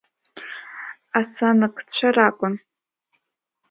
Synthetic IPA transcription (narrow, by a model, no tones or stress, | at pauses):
asanɨkʰʼt͡ɕʷʰarakʷʼʊn